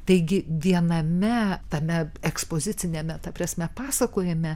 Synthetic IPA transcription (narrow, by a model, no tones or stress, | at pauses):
t̪ɐɪɡʲɪʋʲiɛnɐmʲɛt̪ɐmʲɛɛkspoːzʲɪtt͡s̪ʲɪnʲɛmʲɛt̪ɐpʲrɐsʲmʲɛpɑːsɐkoːjɛmʲɛ